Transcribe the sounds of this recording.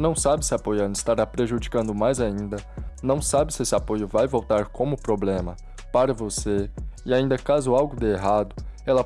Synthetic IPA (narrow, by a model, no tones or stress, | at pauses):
nɐ̃w̃sabɪsɪapojɐ̃nd̪ʊɪist̪aɾapɾeʒud͡ʒikɐ̃nd̪ʊmajzaĩnd̪ɐnɐ̃w̃sabɪsɪesɪapojʊvajvowt̪aɾkʰõmʊpɾoblẽmɐ | paɾɐvoseɪaĩnd̪ɐkazʊawɡʊd̪eeɦad̪ʊɛlɐ